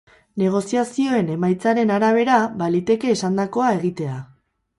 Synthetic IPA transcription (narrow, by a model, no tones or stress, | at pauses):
ne̞ɣ̞o̞siasio̞e̞ne̞majt͡saɾe̞naɾaβ̞e̞ɾaβalit̪e̞ke̞ːsand̪ako̞ae̞ɣ̞it̪e̞a